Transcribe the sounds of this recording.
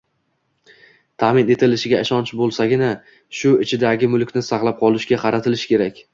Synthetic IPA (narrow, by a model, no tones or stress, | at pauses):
t̪ʰamɪne̞t̪ʰɪlɪʃɪɡʲaɪʃɒnt͡ʃbolˠsaɡʲɪna | ʃʊɪt͡ʃʰɪd̪aɡʲɪmʊlˠkʲnɪsɑqlˠap̚qʰɒlˠɪʃɡʲaqʰɑɾat̪ʰɪlɪʃkʲʰeɾakʲ